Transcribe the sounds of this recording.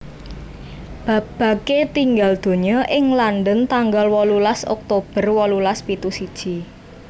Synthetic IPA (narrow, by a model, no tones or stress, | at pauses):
b̥a̤p̚b̥ä̤ket̪iŋɡald̪̥o̤ɲɔʔɪŋlanɖənt̪aŋɡalwɔlulasɔ̰k̚t̪ob̥ə̤rwɔlulaspit̪usid̥ʒ̥i